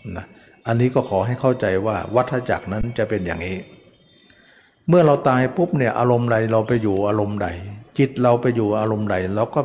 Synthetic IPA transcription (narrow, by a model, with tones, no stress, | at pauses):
na˦˥ | ʔa˧nːiː˦˥kɔː˥˩kʰɔː˩˦ɦa˥˩jkʰa˥˩wt͡ɕa˧jwaː˥˩wa˦˥t̪ʰːɾa˧t͡ɕa̰˨˩k̚na˦˥nt͡ɕa˨˩pe˧nja̰ː˨˩ŋniː˦˥ | mɯ˥˩ɐɾa˧wt̪aː˧jpʰu˦˥p̚ni˥˩ɐʔaː˧ɾo˧mda˧jɾa˧wpa˧jːuː˨˩ʔaː˧ɾo˧mda̰˨˩jt͡ɕi˨˩t̪̚ɾa˧wpa˧jːuː˨˩ʔaː˧ɾo˧mda˨˩jɾa˧wkɔː˥˩